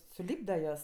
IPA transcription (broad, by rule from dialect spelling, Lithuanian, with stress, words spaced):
sʊˈlʲiːbdɐ ˈjuɔs